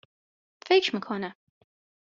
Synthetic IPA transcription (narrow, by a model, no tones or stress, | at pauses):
feɪkʃməkʰɔnə